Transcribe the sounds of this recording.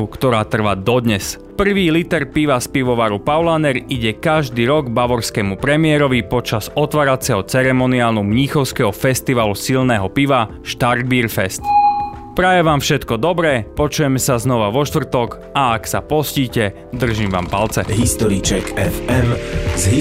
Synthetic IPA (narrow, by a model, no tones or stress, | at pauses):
ukt̪ɔɾaːt̪r̩ʋaːd̪ɔd̪ɲɛs | pr̩ʋiːlit̪ɛɾpiʋaspiʋɔʋaːɾupaʊlaːnɛɾiɟɛkaʒd̪iːɾɔɡbaʋɔɾskɛmupɾɛmɪɛɾɔʋipɔt͡ʃazɔt̪ʋaːɾat͡sɛɦɔt͡sɛɾɛmɔniaːlnumɲixɔʊskɛɦɔfɛst̪iʋaːlusilnɛːɦɔpiʋa | ʃt̪arɡ̚biːɾfɛst̪ | pɾajɛʋaːmfʃɛt̪kɔd̪ɔbɾɛːpɔt͡ʃujɛmɛsaznɔʋaʋɔʃt̪ʋr̩t̪ɔk | ʔaaksapɔsciːcɛ | d̪r̩ʒiːmʋa̰ːmpalt͡sɛɦist̪ɔɾit͡ʃɛkɛfɛmzɦi